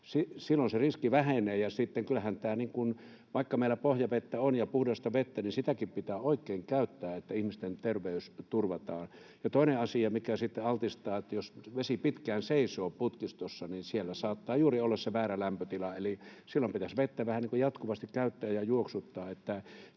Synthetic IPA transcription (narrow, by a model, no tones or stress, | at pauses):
sisilːonseriskiʋæheneːjɑsit̪ːeŋkylːæhænt̪æːniŋkun | ʋɑˑikːɑmeˑilæpohjɑʋet̪ːæonjɑpuhdɑst̪ɑʋet̪ːæninsit̪ækippit̪æːoˑikːˑeːŋkæˑyt̪ːæːet̪ːæihmist̪ent̪erʋeˑyst̪urʋɑt̪ɑːn | jɑt̪oˑineɑsiɑmikæsit̪ːeɑlt̪ist̪ɑːet̪ːæjosʋesipit̪kæːnseisoːput̪kist̪osːɑninsielːæsɑːt̪ːɑːjuːriolːɑsseʋæːrælæmpøt̪ilɑelisilːompit̪æsʋet̪ːæʋæhæniːŋkujɑt̪kuʋɑst̪ikkæˑyt̪ːæːjjɑjuoksut̪ːɑːet̪ːæ